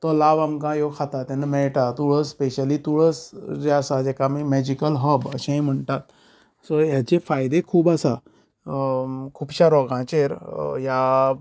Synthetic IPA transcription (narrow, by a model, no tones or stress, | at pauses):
t̪ɔlaʋamkãjokʰat̪at̪ãnəmɛɭʈat̪uɽəspeɕəlit̪uɭəsɾeasad͡ʑekamimɛd͡ʑikəlɦəbəɕãĩm̤əɳt̪at̪ | sɔjat͡ɕefajd̪ekʰuːbəsa | kʰuːbɕaɾɔɡãt͡ɕeɾja